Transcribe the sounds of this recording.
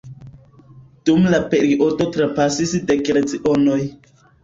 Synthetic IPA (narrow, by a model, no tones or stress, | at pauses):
d̥umlapeɾiʔoto̞tɾapasisdekɾet͡siʔonoj